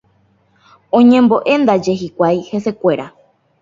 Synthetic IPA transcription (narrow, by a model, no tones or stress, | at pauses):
õɲẽ̞mbo̞ʔe̞nd̪ad͡ʒe̞ɦikʷajhe̞se̞kʷe̞ɾa